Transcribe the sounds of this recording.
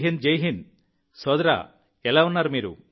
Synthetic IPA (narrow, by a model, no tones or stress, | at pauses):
ɦind͡ʒejɦin | soːd̪ɾa̰ | ɛlaʋunːaɾmiːɾṵ